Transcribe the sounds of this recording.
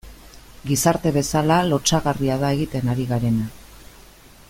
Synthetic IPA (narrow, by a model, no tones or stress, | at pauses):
ɡisaɾt̪e̞βe̞salalo̞t͡ʃaɣariaðae̞ɣ̞it̪e̞naɾiɣaɾe̞na